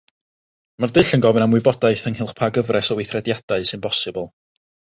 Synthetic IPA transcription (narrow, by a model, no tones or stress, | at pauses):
mardɨɬənɡɔvɨnamwɨbɔdaɨθənhɪlˠχpʰaɡəvrɛsɔwɪθrɛdjad̥aɨsɨnpʰɔsɨbəlˠ